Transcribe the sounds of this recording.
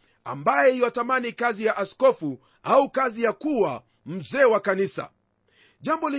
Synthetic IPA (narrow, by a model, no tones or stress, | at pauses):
a̰mbajɛijɔtamanikazijaʔaskɔfu | aukazijakuwa | m̩zɛːwakanisa̰ | ʄambɔli